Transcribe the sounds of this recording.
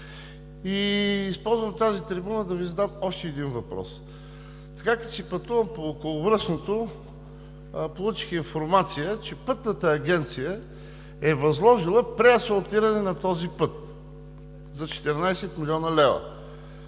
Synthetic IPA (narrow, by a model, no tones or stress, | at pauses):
iːspɔlˠzvəmt̪azit̪ɾibunəd̪ɐvizɐd̪amɔʃt̪ɛːd̪invɐpɾɔ̰s | t̪ɐ̥kakɐt̪sipɐt̪uvəmpoːkolˠʊvɾəsnot̪o | polˠut͡ʃixinfoɾmat̪sijət͡ʃɛpɤt̪nət̪əːɡʲɛnt̪sijə | ɛvɐzlˠɔʒilˠəpɾɛɐsɐlˠt̪iɾɐnɛnɐt̪ɔzipɤt̪ | zɐt͡ʃɛ̥t̪ɛɾinajsɛt̪milʲɔnəlɛvə̰